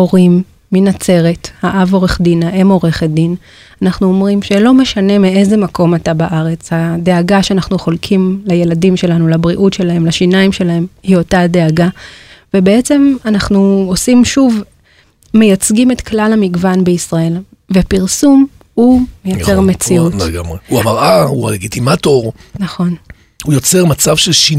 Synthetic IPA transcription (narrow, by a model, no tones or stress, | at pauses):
o̞ʁimː | inat͡se̞ʁe̞thaʔavo̞ʁeχdinaʔe̞mo̞ʁe̞χed̪in | anaχnuomʁimʃelo̞me̞ʃane̞miʔe̞ze̞mako̞matabaʔaʁe̞t͡shade̞aɡaʃeanaχnuχo̞lkʰimlaje̞ladimʃe̞lanulabʁiʔutʃe̞laɦe̞mlaʃinaimʃe̞lahe̞mhio̞tade̞aɡave̞be̞et͡se̞manaχnuosimʃuv | me̞jat͡sɡime̞tklalhamiɡvanbeisʁae̞l | vepiʁsum | humejat͡seʁme̞t͡siutɡamʁehuamaʁahua̰leɡitimato̞ʁnaχo̞n | hujo̞t͡seʁmat͡savʃelʃi